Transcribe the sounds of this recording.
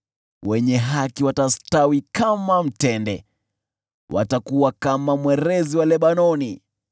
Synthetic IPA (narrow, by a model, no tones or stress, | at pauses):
wɛɲɛɦakiwatastawikamam̩tɛndɛ̰ | wʔa̰takuwakamamwɛɾɛziwalɛɓanɔni